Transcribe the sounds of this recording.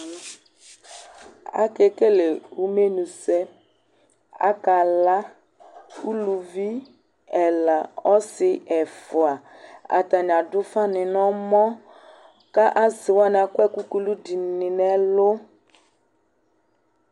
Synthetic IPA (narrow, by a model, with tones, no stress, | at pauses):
a̰˦ke˦ke˦le˨wu˦me˦nũ˨sɛ˦ | a̰˦ka˨la˦ | u˦lu˨vi˦ | ɛ˨la˨ɔ˦sɪ˨ʔɛ˨fʊ˨a˨a̰˨t̪a˨ɲ˨ã˨dʊ˦fa˦nɪ̃˨nɔ̃˦mɔ̃˦ | ka˦ʔa˦zɪ˨wa˦n˨a˨kɛ˦ku˦ku˦lu˦di˨nɪ̃˨nɛ˦lo˦